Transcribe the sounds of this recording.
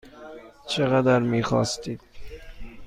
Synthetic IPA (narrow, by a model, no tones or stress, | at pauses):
t͡ʃʰeɣæd̪æɾmiːxɒ̰ːst̪iːd̪̥̚